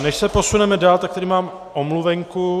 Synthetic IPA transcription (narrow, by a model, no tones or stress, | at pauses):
nɛʃsɛpo̞sunɛmɛdaːlt̪akt̪ɛɾiːmaːm | ʔomluvɛŋku